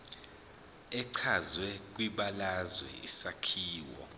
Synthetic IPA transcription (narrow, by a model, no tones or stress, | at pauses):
ɛǀʰazwɛk̬wiɓalazwɛ̰isakʰiːwɔ̰